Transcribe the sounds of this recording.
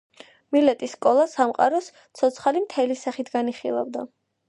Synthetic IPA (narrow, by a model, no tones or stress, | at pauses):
milɛt̪ʼisːkʼɔlˠasamqʼa̰ɾɔs | t̪sʰɔt̪sʰχalimt̪ʰɛlisaχit̪ʰɡaniχilˠa̰vd̪a